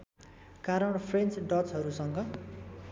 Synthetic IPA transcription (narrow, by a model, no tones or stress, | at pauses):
kaɾʌɳpʰrent͡sɖʌt͡sɦʌɾusʌŋɡʌ